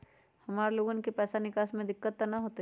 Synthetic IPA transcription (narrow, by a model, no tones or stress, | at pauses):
hɐmaːɾeloːɡonkepɛːsanɪkaːʃmẽd̪ɪkːət̪ːanɐɦoːt̪e